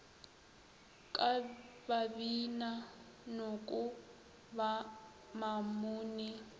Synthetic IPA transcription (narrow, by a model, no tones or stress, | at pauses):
kʼa | baβina | nokʼu | βa | mamuːni